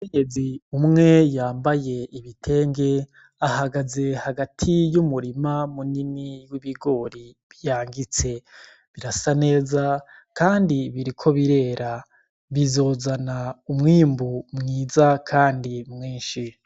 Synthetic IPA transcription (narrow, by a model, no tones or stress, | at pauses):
ukeɲeziumŋe̞jaːmbaje̞iβitʰe̞ːŋɡe̞ | ahaɡaze̞haɡatʰijumuɾimamuniniwiβiɡo̞ɾi | βijaːŋɡit͡se̞ | βiɾasane̞ːzakaːndiβiɾikʰo̞βiɾe̞ːɾa | βizo̞zanaumŋiːmbumŋiːzakʰaːndimŋiːnʃi